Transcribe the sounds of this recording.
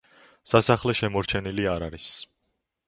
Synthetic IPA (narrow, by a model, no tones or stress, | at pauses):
sasaχlɛʃɛmɔɾt͡ʃʰɛniliaɾaɾis